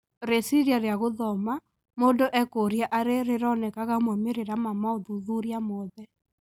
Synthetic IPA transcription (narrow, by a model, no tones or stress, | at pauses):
ɾesiɾjaɾeaɣoðɔma | mondoʔɛkoɾjaʔaɾeɾeɾɔnɛkaɣamɔmeɾeɾamamaoðuðuɾjamɔðɛ